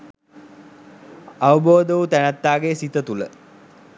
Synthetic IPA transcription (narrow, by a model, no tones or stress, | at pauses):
aʋəboːd̪əʋut̪ænæt̪ːaːɡesit̪ət̪ulə